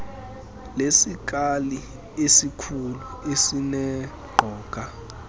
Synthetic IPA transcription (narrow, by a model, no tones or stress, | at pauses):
lesik̬ʼali | esikʰuluesinɛ | ɡ͡ǃʱɔːk̬ʼa